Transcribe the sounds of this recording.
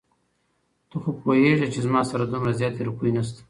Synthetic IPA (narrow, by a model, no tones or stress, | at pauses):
t̪oxopojeʐet͡ʃezmɑsaɾad̪umɾazjɑt̪eɾukujnas̬t̪ḁ